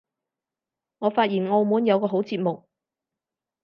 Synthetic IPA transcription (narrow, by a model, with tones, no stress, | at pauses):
ŋɔː˨˧faː˧t̚jiː˨˩nŋo˧wmuː˨˥njɐ˨˧wkɔː˧ɦo˨˥wt͡siː˧t̚mʊ˨k̚